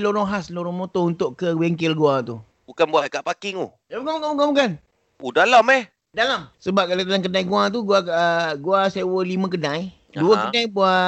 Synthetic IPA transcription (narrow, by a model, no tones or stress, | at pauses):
loɾɔŋɦasloɾɔŋmot̪ount̪ʊʔkəwɛŋkɪlɡuat̪u | bukanbuaʔkaʔpakɪŋṵ | abukanbukanbukanbukan | pudalamɛh | dalamsəbap̚kalat̪əlaŋkədajɡuat̪̬uɡwakaʔɡuasewəlimə̃k̬ədãj | duəkədajbua